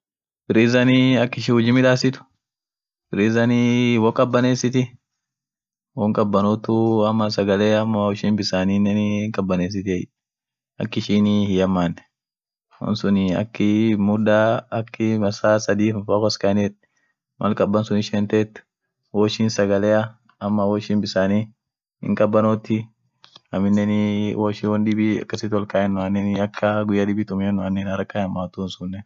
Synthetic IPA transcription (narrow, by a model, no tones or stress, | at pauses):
bɪɾiːzɐniɐkːɪʃihʊd͡ʒɪmɪᶑaːsɪt̪ʊ̥ | bɪɾiːzɐniwɔkʼɐbːɐneːsɪt̪ɪ | wɔŋkʼɐbːɐnʊt̪ʊɐmːɐsɐɡɐleːɐmːʊʃiːnbɪsaːninːɛkʼɐbːɐneːs̬ɪt̪ɪɛj | ɐ̰kːɪʃiːnɪhɪjɐmːaːnɛ̥ | wɔ̰nsʊnɪɐ̰kːɪmʊd̪aːɐkːɪmɐsaːsɐd̪iːfɐfakɔskɐnɛt̪̚ | mʔɐlkʼɐbːɐnsʊnɪʃɛnt̪ɛːt̪ː | woːʃinsɐɡɐlɛjɐ | ɐmːɐwɔʃɪnbɪsaːni | ɪ̰ŋkʼɐbːɐnoːt̪ːɪ | ɐmɪnːɛnɪwoːʃiwɔnd̪ɪbiɐ̰kːɐsɪt̪wɔlkaːɛnːʊɐnːɛnɪɐkʰːɐɡʊjːad̪ɪbit̪ʊmɛnːʊɐnːɛnɐɾɐkːɐjɐmːaːt̪unsʊnːɛ